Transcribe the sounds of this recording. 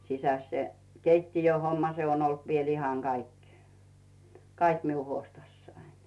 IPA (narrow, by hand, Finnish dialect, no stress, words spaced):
sisæs se keitːijøhomːɑ se on olt ʋiel ihɑŋ ɡ̊ɑik kɑiki miu huostɑsːɑin̥